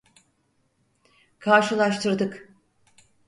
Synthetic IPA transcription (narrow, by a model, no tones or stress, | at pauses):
kʰaɾʃɯlˠaʃt̪ʰɯɾd̪ɯk